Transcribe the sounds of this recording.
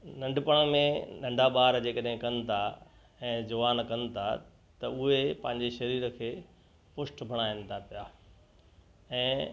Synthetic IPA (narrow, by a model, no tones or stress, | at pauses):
nɐ̃ɳɖʱpəɽ̃ə̃mẽnɐ̃ɳɖʱaɓaːɾd͡ʑeːkəɗɦɪ̃kɐnɪ̆t̪ʰa | ɛ̃ːd͡ʑʊʋaːnkɐnɪ̆t̪ʰa | t̪ɐʊɦepɐ̃ɦɪ̃ɲd͡ʑeʃɐɾiːɾə̆kʰeː | pʊsʈbʱɐɽ̃aɪnɪ̆t̪ʰapijaː | ɛ̃ː